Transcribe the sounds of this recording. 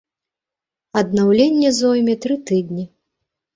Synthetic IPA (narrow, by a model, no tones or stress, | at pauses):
ɐd̪nawlʲenʲːɛzɔjmʲɛt̪ɾɨt̪ɨd̪ʲnʲi